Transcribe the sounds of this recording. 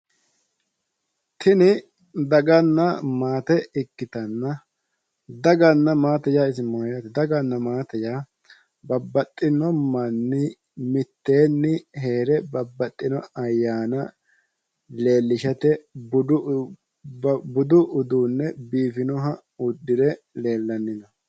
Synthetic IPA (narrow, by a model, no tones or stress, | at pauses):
t̪ʰɪnɪ | d̪ɐɡɐnːɐmaːt̪ɛɪkːɪt̪ɐnːɐ | d̪ɐɡɐnːɐmaːt̪ɐjaːɪsɪmoːjɐt̪ɛd̪ɐɡɐnːɐmaːt̪ɐjaː | bɐbːɐt̪ʼːɪnɔmːɐnːɪ | mɪt̪ːeːnːɪɦe̞ːɾɛbɐbːɐt̪ʼːɪnɔɐjːaːnɐ | le̞ːlːɪʃɐt̪ɛbʊ | bʊd̪ʊʔʊd̪uːnːɛbiːfɪnɔɦɐ | ʊd̪ːɪd̪ɛle̞ːlːɐnːɪnɐ